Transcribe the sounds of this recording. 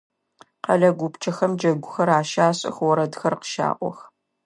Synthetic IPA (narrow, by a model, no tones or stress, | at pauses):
qɐ̰ɮɐɡʷʊpt͡ʃʰɐxɐmd͡ʒɐɡʷʊxɐɾaːʃaːɕʼɪ̰xwɔɾɐdxɐrqə̥ʃa̰ːʔʷɔ̰x